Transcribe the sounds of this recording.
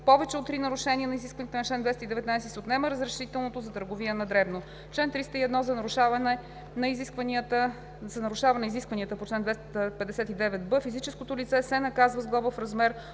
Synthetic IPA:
pɔvɛt͡ʃɛot̪ːɾinɐɾʊʃɛnʲiənɐiziskvɐnijət̪ɛnt͡ʃlɛnd̪vɛst̪id̪ɛvɛt̪najsɛsot̪nɛməɾəzɾɛʃit̪ɛlˠnot̪ozɐt̪əɾɡoviənɐd̪ɾɛbno | t͡ʃlɛnt̪ɾist̪əiɛd̪nɔzɐnɾuʃavɐnɛ | nɐizikvniət̪ə | zɐnɐɾuʃavɐnɛiziskvɐniət̪əpot͡ʃlɛnd̪vɛst̪əpɛd̪ɛsɛt̪id̪ɛvɛt̪̚bɤfizit͡ʃɛskot̪olit̪sɛsɛnɐkazvɐzɡlˠɔvəfɾɐzmɛɾ

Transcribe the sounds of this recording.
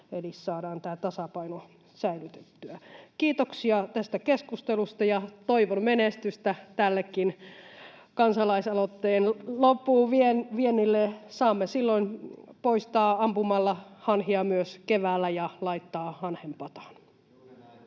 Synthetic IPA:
ʋelissɑːdɑːnt̪æːt̪ɑsɑpɑino | sæilyt̪e̥t̪ːyækiːt̪oksiɑt̪æst̪ækeskust̪elust̪ɑjɑt̪oiʋonmenest̪yst̪æt̪ælːekːin | kɑnsɑlɑisɑlot̪ːeːnlopːuːʋienʋienːilːesɑːmːesilːoinpoist̪ɑːɑmpumɑlːɑhɑnhiɑmyøskeʋæːlːæjɑlɑit̪ːɑːhɑnhempɑt̪ɑ̥n

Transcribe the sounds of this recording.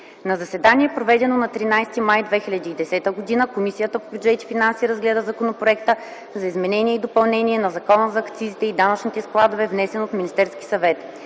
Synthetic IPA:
nɐzɐsɛd̪aniɛpɾovɛd̪ɛnonɐt̪ɾinajst̪imajd̪vɛxilʲɐd̪iːd̪ɛsɛt̪əɡod̪inəkomisijət̪əpobʲjud͡ʒɛt̪i̥finansiɾəzɡlɛd̪əzɐkonopɾoɛkt̪ə | zɐizmɛnɛniɛid̪opɐlˠnɛnʲiɛnɐzɐkɔnəzɐːkt̪sizit̪ɛid̪anət͡ʃnʲit̪ɛsklˠad̪ovɛvnɛsɛnot̪mʲinist̪ɛɾski̥sɐvɛt̪

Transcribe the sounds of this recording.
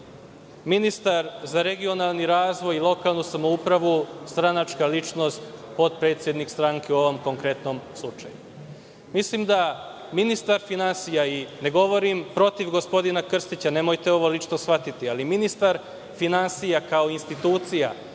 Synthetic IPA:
minist̪aɾzaɾe̞ɡio̞nalˠniɾaːzʋo̞jilˠo̞kalˠnusamoupɾaʋust̪ɾanat͡ʃkalit͡ʃno̞st̪po̞t̪̚pɾe̞t̪sʲje̞d̪nikst̪ɾaŋkeuo̞ʋo̞mko̞ŋkɾe̞t̪no̞mslˠut͡ʃa̰ju | mislimd̪a | minist̪aɾfinansijaine̞ɡo̞ʋo̞ɾimpɾo̞t̪iʋɡo̞spo̞d̪inakr̩st̪it͡ɕane̞mo̞jt̪eo̞ʋo̞lit͡ʃnosfʋat̪it̪ialiminist̪aɾ | finansijakao̞inst̪it̪uːt̪sija̰

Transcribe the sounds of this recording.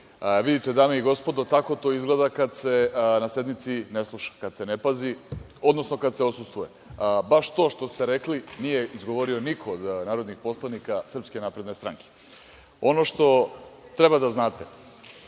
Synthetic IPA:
ʋid̪it̪e̞d̪ameiɡo̞spo̞d̪ot̪ako̞t̪o̞ːizɡled̪akad̪se̞nase̞d̪mit̪sineslˠuʃḁkad̪se̞nepazi | o̞d̪no̞sno̞kad̪seosust̪vuje | baʃt̪o̞ːʃt̪o̞st̪eɾeklinije̞izɡo̞ʋo̞ɾio̞nikʰood̪naːɾod̪nixpo̞slˠanikasr̩pskenapɾe̞d̪ne̞st̪ɾaŋke̥ | o̞no̞ʃt̪o̞t̪ɾebad̪aznaːt̪e

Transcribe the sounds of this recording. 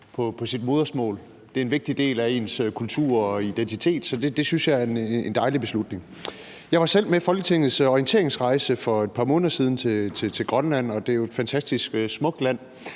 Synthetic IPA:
pʰɒ̽pʰɒ̽sid̥̚mo̝ːð̞ˠɐsmɔ̰ːl | d̥e̝æɐenʋe̝ɡ̥̚d̥id̥e̝̰ːlæe̝nskʰult͡sʰuɐ̰ɒid̥ent͡sʰit͡sʰe̝̰ːd̥sɒ̽d̥e̝d̥e̝synsjɑ̈ɪæɐenend̥ɑ̈ɪlib̥e̝slud̥ne̝ŋ | jɑ̈ɪʋɑ̈sel̰mefɒ̽lɡ̥ət͡sʰeŋ̰ð̩ˠsɒiənt͡sʰe̝̰ɐeŋsʁɑ̈ɪsəfɒ̽e̝d̥pʰɑ̈ːmɔ̽ːnðˠɐsiːð̞ˠn̩t͡sʰe̝t͡sʰe̝t͡sʰe̝lɡ̥ʁɶnlæn̰ɒ̽d̥e̝æjoed̥fænt͡sʰæsd̥isɡ̥smɔ̽ɡ̥̚læn̰

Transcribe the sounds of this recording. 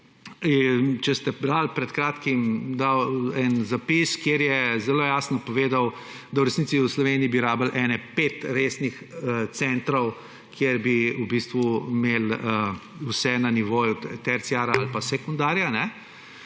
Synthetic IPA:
int͡ʃɛst̪ɛbɾalpɾɛt̪kɾaːt̪kimd̪awɛnzapiskjeːɾjɛzɛloːjaːsnɔpɔʋeːd̪aw | d̪awɾɛsnitsiuslɔʋeːniibiɾaːbəlʔɛːnɛpeːt̪ɾeːsnix | ət̪sɛnt̪ɾɔw | kjeɾbiubist̪ʋumeːləusɛnaniʋoːjut̪ɛɾt̪siaːɾaalpasɛkund̪aːɾjanɛ

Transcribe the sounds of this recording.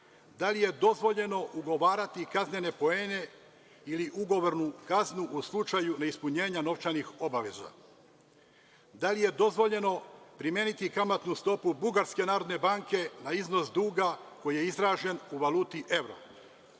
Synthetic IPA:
d̪alije̞d̪o̞zʋo̞ʎe̞no̞ʔuɡo̞ʋaːɾat̪ikazɲe̞ne̞po̞eːne̞ | iliʔuɡo̞ʋo̞ɾnukaznuʔuslˠut͡ʃajunaispuɲe̞ːɲano̞ʋt͡ʃanixo̞baʋe̞̰za̰ | d̪alije̞d̪o̞zʋo̞ʎe̞no̞pɾimje̞nit̪ikamat̪nust̪o̞pubuɡaɾske̞naːɾo̞d̪ne̞baːŋke̞naizno̞sd̪uːɡako̞jije̞izɾaːʒe̞nuʋaluːt̪iʔe̞ʋɾo̰

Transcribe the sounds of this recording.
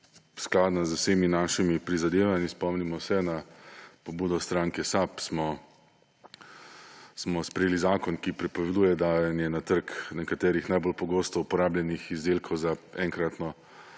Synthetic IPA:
sklaːd̪nazəwseminaːʃimipɾizad̪eːʋanispɔmnimɔsɛnapɔbuːd̪ɔst̪ɾaŋkɛsapsmɔ | smɔspɾɛjeːlizaːkɔnkipɾɛpɔʋɛd̪uːjɛd̪anjɛnat̪əɾknɛkat̪ɛːɾixnajbolpɔɡoːst̪ɔupɔɾaːblʲjɛnixizd̪eːlkʰɔwzaɛŋkɾat̪nɔ

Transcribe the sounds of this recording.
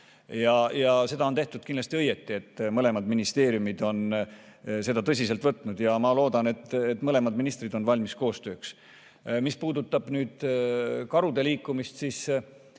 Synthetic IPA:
jɑjɑse̞d̪̥ɑo̞nt̪e̞ht̪ud̪̥̚kindlɑsʲt̪iɤje̞t̪ˑːie̞t̪ːˑmɤle̞mɑd̪minist̪e̞ːɾiumid̪̥o̞n | se̞d̪ɑt̪ɤs̬ʲise̞lt̪vɤt̪ˑːnud̪̥jɑmɑlo̞ːd̪ɑne̞t̪ːet̪ːˑmɤle̞mɑd̪minist̪rid̪o̞nvɑlʲmisko̞ːst̪ø̞ːks | mispuːd̪̥ut̪ːˑɑb̥nyːd̪̥kɑɾud̪e̞liːkːˑumist̪siːs

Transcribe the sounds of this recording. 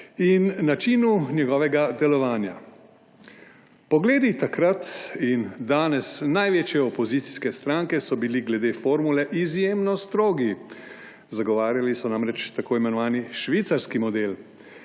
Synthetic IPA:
inːat͡ʃiːnunjɛɡɔːʋɛɡad̪ɛlɔʋaːnja̰ | pɔɡleːd̪it̪akɾat̪ind̪aːnɛsnajʋeːt͡ʃjɛɔpɔzit̪si̥skɛst̪ɾaːŋkɛsɔbiliɡlɛd̪eːfoːɾmulɛʔizjeːmnɔst̪ɾoːɡi | zaɡɔʋaːɾjalisɔnamɾɛt͡ʃt̪akʰoːimɛnɔʋaːniʃʋiːt̪saɾskimɔd̪eːl

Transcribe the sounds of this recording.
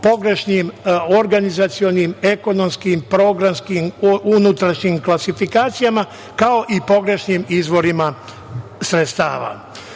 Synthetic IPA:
po̞ɡɾe̞ʃniːmoɾɡanizat̪sio̞niːme̞ko̞no̞mskiːmpɾo̞ɡɾamskimunut̪ɾaʃɲiːmklasifikaːt̪sijama | kao̞ʔipo̞ɡɾe̞ʃɲiːmizʋo̞ɾima | sɾet̪st̪a̰ːʋa̰

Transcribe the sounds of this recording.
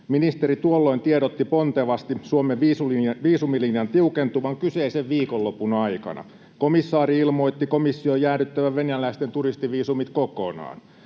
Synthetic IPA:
minist̪eɾit̪uolːoint̪ieɾot̪ːipont̪eʋɑst̪isuomeʋiːsulʋiːsumilinjɑnt̪iukent̪uʋɑŋkyseiseʋʋiːkolːopunɑikɑ̰nʔɑ̰ | komisːɑːɾiilmojt̪ːikomisːiojæːɾyt̪ːæʋæʋʋenælæist̪ent̪urist̪iʋiːsumit̪koko̰nɑ̰ːn

